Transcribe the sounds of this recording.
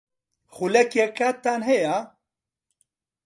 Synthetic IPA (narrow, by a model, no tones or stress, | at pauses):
xulɛkjɛkat̪ːaːnɦɛja